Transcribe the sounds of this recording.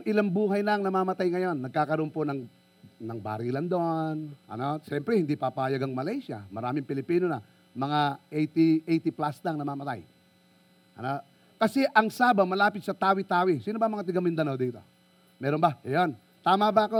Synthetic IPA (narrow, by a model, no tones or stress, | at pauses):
ŋʔɪlaŋbuːɦɐjnɐŋnɐmaːmɐt̪ajŋɐjo̞nːɐɡ̚kaːkɐɾoʔonponɐŋ | nɐŋba̰ːɾiːlɐnd̪oʔonʔɐ̰noʃɛmpɾɛhɪnd̪ipapahajaɡɐŋmɐlajʃjɐ̰mɐɾaːmɪŋpɪlɪpiːnonɐ | mɐŋaʔɛjt̪iʔɛjt̪ɪplasnɐŋnɐmaːmɐt̪aj | ʔɐ̰no | kɐsɛʔɐŋsaːbɐmɐlaːpɪt̪sɐt̪aːwɪt̪aːwɪsiːnobɐŋmɐŋat̪ɪɡɐmɪnd̪ɐnod̪iːt̪o̞̰ | mɛːɾonbɐɐjon | t̪aːmabɐɐko